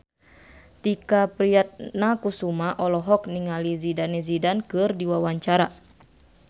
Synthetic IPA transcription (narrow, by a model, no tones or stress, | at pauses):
t̪ikapɾiat̪̚nakusumaʔɔlɔɦɔk̚niŋalizidanɛzidankɨrdiwawaɲt͡ʃaɾa